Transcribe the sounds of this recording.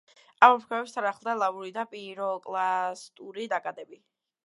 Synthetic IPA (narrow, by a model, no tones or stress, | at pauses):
amɔmɾkʰwɛvɛpst̪ʰaɾaχlˠd̪alˠavuɾid̪apʼiɾɔkʼlˠast̪ʼuɾid̪akʼad̪ɛbi